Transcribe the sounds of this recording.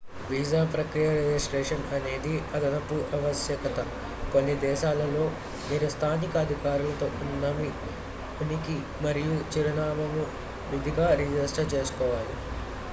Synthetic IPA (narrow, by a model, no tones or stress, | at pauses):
ʋiːd͡ʒaːpɾɐkɾijɐɾed͡ʒisʈɾeːʂɐnɐne̞ːd̪iɐd̪ɐnɐpːuʔɐʋɐsjɐkɐt̪ɐ | konːid̪ɛːʃaːlɐlo̞ː | ʋiːɾɐst̪ʰaːnikɐːd̪ʱikaːɾulɐt̪o̞ːnːɐmi | uniki | mɐɾijut͡ʃiɾɐnaːmɐmu | ʋud̪ʱiɡaːɾid͡ʒɐsʈɐt͡ʃe̞ːsu̥kɔːʋaːli